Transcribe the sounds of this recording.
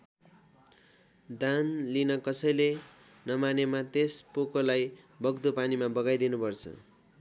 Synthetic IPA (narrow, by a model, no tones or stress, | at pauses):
d̪anlinʌkʌsʌjle | nʌmanemat̪espokolaj | bʌɡd̪opanimabʌɡajd̪inupʌrt͡sʰʌ̰